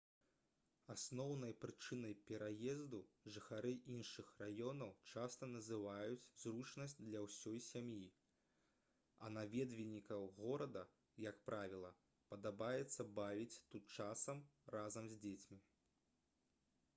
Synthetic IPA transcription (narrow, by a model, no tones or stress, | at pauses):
asnɔwnɐjpɾɨt͡ʂɨnɐjpʲɛɾajɛzd̪uʐɨxaɾɨʔinʂɨxrajɔnɐwt͡ʂast̪ɐnɐzɨvajut͡sʲzrut͡ʂnɐsʲtʲd̪lʲɐwsʲɔjsʲamji | ɐ̰navʲɛd̪vʲinʲikɐwɣɔɾɐd̪ɐ | jɐkpɾavʲilˠɐ | pɐd̪abajɛt̪sːɐbavʲit͡sʲt̪ut̪t͡ʂasɐmrazɐmzʲd͡zʲet͡sʲmʲi